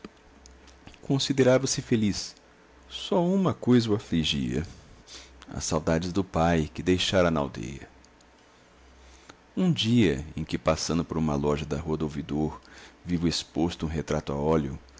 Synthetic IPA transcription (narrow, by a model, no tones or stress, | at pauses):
kõsid̪eɾavɐsɪfelis | sɔũmɐkojzɐuafliʒiɐ̰ | ɐ̰sawd̪ad͡ʒɪzd̪ʊpajkɪd̪ejʃaɾɐnɐa̰wd̪ḛjɐ̰ | ũd͡ʒiɐḛ̃kɪpasɐ̃nd̪ʊpoɾũmɐlɔʒɐd̪ɐɦuɐd̪owvid̪oɾvivʊespost̪ʊũɦet̪ɾat̪ʊa̰ɔljʊ̰